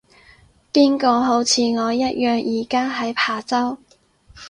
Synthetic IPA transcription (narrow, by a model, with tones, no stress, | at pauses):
piː˥nkɔː˨˧ɦo˨˥wt͡sʰiː˨˧ŋɔː˨˧jɐ˥t̚jœː˨ŋjiː˨˩kaː˥ɦɐ˨˥jpʰaː˨˩t͡sɐ˥w